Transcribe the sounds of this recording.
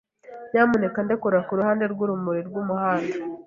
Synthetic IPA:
jaːmune̞kandekuɾakuɾuhaːnde̞ɾɡuɾumuɾiɾɡumuhaːnda

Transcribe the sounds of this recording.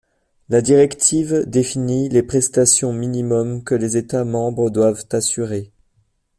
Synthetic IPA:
lad̪iʁɛkt̪ʰivd̪efinilepχɛst̪asjɔ̃minimɔmkəlezet̪amɑ̃bʁəd̪wavt̪asyʁe

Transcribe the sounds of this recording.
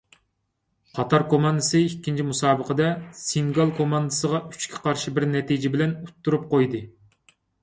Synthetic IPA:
qʰɑt̪ʰɑɾkʰomɑnd̪ɨsɨikʲʰːint͡ʃʰimusɑːbəqəd̪ɛsiŋɡɑlˠkʰomɑnd̪ɨsəʁɑy̥t͡ʃkʲʰi̥qʰɑɾʃibɪɾnɛt̪id͡ʒɪbɪlɛnut̪ʰːuɾup̚qojd̪ɨ

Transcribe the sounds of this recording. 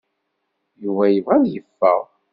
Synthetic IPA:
juvæjəvænjəfːə̰ʁ

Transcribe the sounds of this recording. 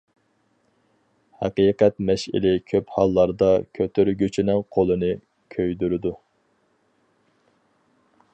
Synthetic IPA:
hɑqiːqɛt̪mɛʃɪ̰lɪkʲʰøphɑlˠːɑɾd̪ɑkʲʰøt̪ʰyɾɡʲøt͡ʃʰinɪŋqʰolˠɨnɨ | kʲʰøjd̪yɾɪd̪u

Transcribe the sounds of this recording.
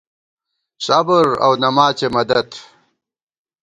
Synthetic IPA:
sɐbəɾɐ̰wnɐmaːt͡ɕemɐd̪ɐt̪

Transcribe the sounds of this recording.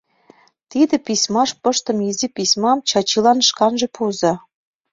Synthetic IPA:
t̪id̪ɘ̆pisʲmɑʃpɤ̆ʃt̪ə̆mizʲipisʲmɑmt͡ɕɑt͡ɕilɑnʃkɑnʒĕpʰuzɑ̆

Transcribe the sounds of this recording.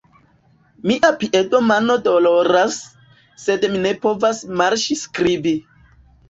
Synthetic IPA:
miʔapiʔeto̞mano̞dolo̞ɾasː | e̞dmine̞po̞vasmaɾʃiskɾibi

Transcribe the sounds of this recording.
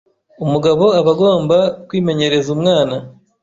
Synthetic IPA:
umuɡaβo̞aβaɡo̞ːmbakwiːme̞ɲe̞ɾe̞zumŋaːna

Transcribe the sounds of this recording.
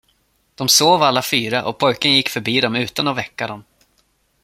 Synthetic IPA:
d̪̥ɔmsoːvalːafyːɾaʔɔ̰pʰɔjkənjɪkːfœɾbiːd̪ɔmʉ̟ːt̪anɔvɛkːad̪ɔm

